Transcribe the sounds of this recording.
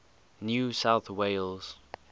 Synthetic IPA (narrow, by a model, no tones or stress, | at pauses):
njusaʊθweɪlz̥